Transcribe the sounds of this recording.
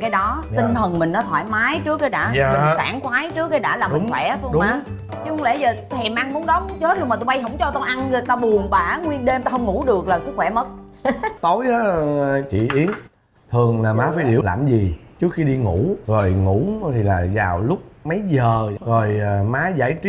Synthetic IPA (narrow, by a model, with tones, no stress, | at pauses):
kaː˨˦jɗɔ˨˦t̪i˧ŋ̟t̪ʰə˨˩nmï˨˩ŋ̟nɔ˨˦t̪ʰwaː˧˩jmaː˨˦jt͡ɕɨ˦˥ək̚ːaː˨˦ɗa̰ː˧˥a˧˨˩saː˧˩ŋkwaː˨˦jt͡ɕɨ˦˥ək̚ːaː˨˦ɗa̰ː˧˥laː˨˩˨ŋ͡mŋʰwɛ̰˧˩˨t̪o˧ɗʊ˨maː˦ | t͡ɕkŋ͡mle˧˩zəː˨˩t̪ʰɛ˨˩mʔa˧ŋmu˨˦nɗɔ˨˦˨t͡ɕːt̚lo˧ŋ͡mma˨˩t̪o˧ɓa˧jɦə̰˧˥wŋ͡mt͡ɕɔ˧t̪o˧ʔa˧nə˧˩t̪a˧ɓu˨˩əŋɓaː˨˧˩ŋwi˧ənɗe˧mt̪a˧hə˧wŋ͡mŋu˧˩ɗɨ˨˩ək̚laː˨˩sɨ˦˥k̚xwɛ˧˩mə˦˥t̚t̪o˨˦jʔaː˨˦t͡ɕḭ˧˨ʔi˨˦ən | t̪ʰɨ˨˩əŋlaː˨˩maː˨˦faː˨˦jɗḭ˧˩əla̰ː˨˩mzi˨˩t͡ɕɨ˦˥ək̚xi˧ɗi˧ŋṵ˧˩˥zo˨˩jŋṵ˧˩˥t̪ʰi˨˩laː˨˩zaː˨˩wlʊ˦˥k͡p̚mə˨˦jzəː˨˩zo˨˩jmaː˨˦jza̰ː˧˩jt͡ɕi˦